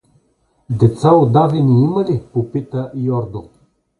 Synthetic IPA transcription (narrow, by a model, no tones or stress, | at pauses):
d̪ɛt̪saod̪avɛniiməlipopit̪əjɔɾd̪o